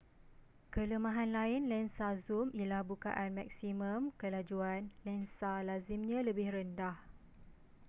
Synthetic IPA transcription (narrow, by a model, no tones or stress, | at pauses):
kələmãɦanlaɪnlɛnsazumilahbuka̰ʔanmak̚simə̃mkəlad͡ʒuanlɛnsalazimɲãləbɪhrəndah